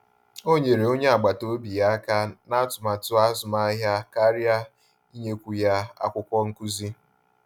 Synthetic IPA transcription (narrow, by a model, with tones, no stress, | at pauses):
o˦ɲe˨ɾe˨o˦ɲe˦a˨ɡ͡ba˨to˦bi˨ja˦ka˦na˦tʊ˨ma˨tʊ˦a˦zʊ˨ma˦ɦja˦ka˦ɾja˦ | i˦ɲe˦kʷu˦ja˦a̰˦kʷʊ˦kʷɔ˦ŋ̩˦ku˦zi˦